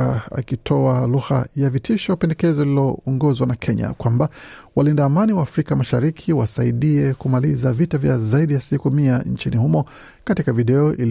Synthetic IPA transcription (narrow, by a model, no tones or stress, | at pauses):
aa̰kitʰɔaluha̰javitʰiʃɔwpɛndɛkɛzɔlilɔːŋɡɔzwanakʰɛɲa̰kwambawalindaːmaniwaːfɾikamaʃaɾikʰiwasaiɗiɛkumalizavitavjazaiɗijasikumiant͡ʃinihumɔ | katikaviɗɛɔʔil